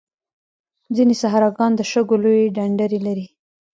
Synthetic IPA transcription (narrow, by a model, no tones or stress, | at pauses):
d͡zinesaɦɾɑɡɑnd̪əʃəɡolojeɖaɳɖaɾelaɾi